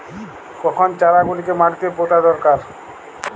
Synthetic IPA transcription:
kɔkʰont͡ɕaɾaɡulikemaʈit̪epot̪ad̪ɔɾkaɾ

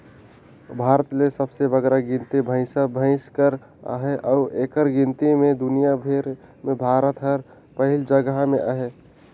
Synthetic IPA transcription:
bʱaːɾət̪lesəbsebəɡɾaɡĩnt̪ibʱə̃ɪ̃səbʱə̃ɪ̃skəɾ | a̰ɦeʔɔeːkəɾɡɪ̃nt̪imẽd̪ʊnijabʱeɾmẽbʱaːɾət̪ɦəɾ | pəɦɪld͡ʒəɡəɦmeʔaɦe

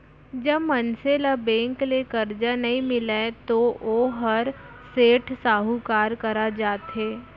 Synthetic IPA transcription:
d͡ʒɐbmɐnselabẽːŋklekɐɾd͡ʒanɐɦĩmɪlat̪ooːɦɐɾ | seːʈʰsaːɦukaːɾkɐɾad͡ʒaːt̪ɦeː

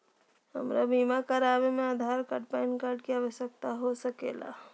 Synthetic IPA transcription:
hə̰mɾabiːmakaɾaːʋemẽaːd̪ʱaːɾkəʈpaɪnkaːɾʈkiaːʋəʃjək̚t̪aɦosɐkḛːla̰ː

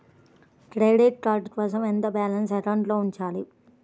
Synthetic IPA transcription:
ʈɾeːʋɖeːʈ̚kɾaːʈɡ̪ʋaːs̬ɐment̪ɐbaːlɐnsɐʈɐwɳʈloːuɲt͡ʃaːli

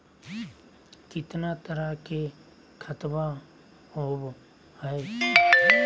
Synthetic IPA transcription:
kɪt̪nat̪əɾake | kʰət̪ba | ɦoːb | hɛe

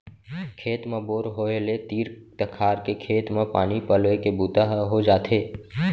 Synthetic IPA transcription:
kʰeːt̪mẽboːɾɦoːelet̪iːɾt̪əkʰaːɾkekʰeːt̪mẽpa̰ːnipəlʋekebuːt̪aɦɦod͡ʒaːt̪ʰeː

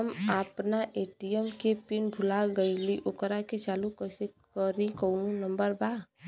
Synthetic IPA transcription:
əmapnaʔeːʈijemkepɪnbʱʊlaɡəiliʔʊkɾaket͡ʃaːlukəse | kəɾĩkoːnũnəmbəɾbaː

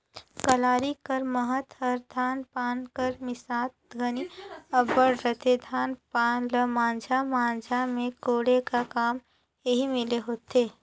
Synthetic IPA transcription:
kəlaːɾikəɾməɦət̪əɾd̪ʱaːnpaːnkəɾmɪsaːt̪ɡʱəniəbəɽɾət̪ed̪ʱaːnpaːnləmãːnd͡ʒʱamãːnd͡ʒʱamẽkoːɽekakaːm | jəɦimɪleɦoːt̪eː

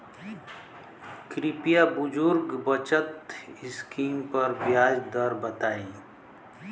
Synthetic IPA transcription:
kɾɪpijabʊd͡ʒʊɾɡbət͡ʃət̪ɪskiːmpɐɾbjaːd͡ʒd̪əɾbət̪aːi

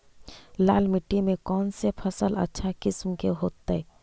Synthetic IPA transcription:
la̰ːlmɪʈːimẽkɔːnsepʰəsələ̰tːʃʰakɪsmkeɦoːt̪ːeɛ

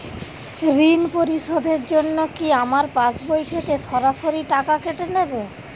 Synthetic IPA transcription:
ɾinpoɾiʃod̪ʱeɾd͡ʑonːokiamaɾpat͡ɕbojt̪ʰekeʃɔɾaʃoɾiʈakakeʈenebe

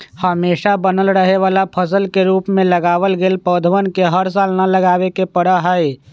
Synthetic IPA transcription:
həmeːʃabənəlɾəɦeʋaːlapʰəs̬əlkeɾuːpmẽləɡaːʋəlɡeːlpəːd̪ʱəʋənkeɦəɾs̬aːlnaləɡaːʋekepəɽaɦəe

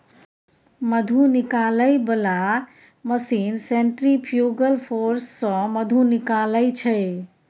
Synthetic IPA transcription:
məd̪ʱunikaləɪbəla | məsinseɳʈɾipʰjuɡəlpʰoɾsːə̃məd̪ʱunikaləɪt͡ʃʰəj

